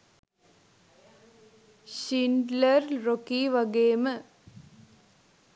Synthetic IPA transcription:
ɕindlɐrrokːiʋɐɡeːmɨ

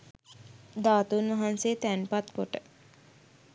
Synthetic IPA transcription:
d̪aːt̪uːnʋaɦansejt̪ænpat̪koʈə

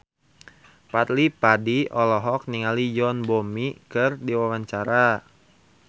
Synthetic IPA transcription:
pat̪lipadiɔlɔɦɔk̚niŋalid͡ʒɔnbɔmikɨrdiwawaɲt͡ʃaɾa

